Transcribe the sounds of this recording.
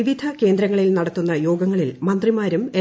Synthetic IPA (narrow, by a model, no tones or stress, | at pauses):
iʋid̪ʱɐke̞ːnd̪ɾɐŋːɐɭilnɐɽɐt̪ːunːɐjo̞ːɡɐŋːɐɭilmɐnd̪rimaːɾume